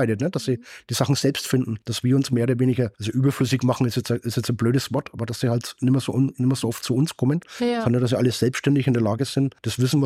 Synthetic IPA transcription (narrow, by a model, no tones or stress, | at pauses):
aɪɾətnəd̥assiːd̥iːz̥aχn̩z̥ɛlpstfɪndn̩d̥asv̥iːɐʊnsmeːɐoːdɐveːnɪɡɐʔalzoʔyːbɐflʏsɪçmaχn̩ɪstɛt͡sʔɪstjɛt͡snbløːɾəsv̥ɔɐtʔaːbɐdasiːhaltnɪmɐzo̰ːnɪmɐzoːʔɔftt͡suʊnskʰɔmənanad̥as̬iʔaləz̥ɛlpstʃtɛndɪçɪndeːɐlaːɡəz̥ɪntd̥asv̥ɪsn̩